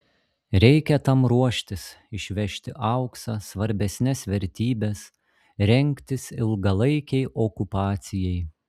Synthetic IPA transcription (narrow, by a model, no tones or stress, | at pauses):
ɾʲɛɪkʲɛt̪ɐmɾuɔʃʲt̪ʲɪsɪʃʲʋʲɛʃʲt̪ʲɪʔɑʊksɑsʋɐɾʲbʲɛsʲnʲɛsʋʲɛɾʲt̪ʲiːbʲɛs | ɾʲɛŋʲkʲt̪ʲɪsɪlˠɡɐlˠɐɪkʲɛɪʔoːkʊpɑːt̪sʲɪjɛɪ